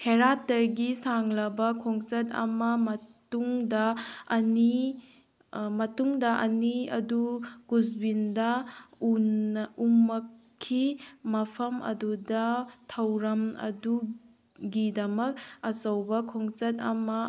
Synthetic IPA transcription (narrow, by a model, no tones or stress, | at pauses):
heɾatːɐɡisaŋlɐbɐkʰɔŋt͡ʃɐtɐ̰mɐmɐtuŋdɐɐni | mɐtuŋdɐʔɐniɐ̰duɡuzbindɐunumɐkʰː | imɐpʰɐmʔɐ̰dudɐtʰɐwɾɐmɐ̰du | ɡidɐmɐk̚ɐsɐwbɐkʰɔŋt͡ʃɐtɐ̰mɐ